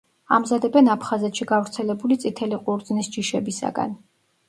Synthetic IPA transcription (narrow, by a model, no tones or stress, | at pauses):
a̰mzad̪ɛbɛnapʰχazɛt̪ʃiɡavɾt̪sʰɛlɛbulit̪sʼit̪ʰɛliqʼuɾd̪znisd͡ʒiʃɛbisa̰ɡa̰n